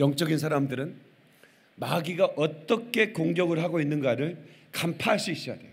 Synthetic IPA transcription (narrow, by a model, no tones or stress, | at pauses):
jʌŋt͡ɕ͈ʌɡins̬ʰaɾamdɯɾɯn | maɡiɡaʔʌt͈ʌkʰe̞koŋɡjʌɡɯɭɦaɡoinːɯnɡaɾɯɭ | kampʰaɦːɕ͈ʰiiɕ͈ijade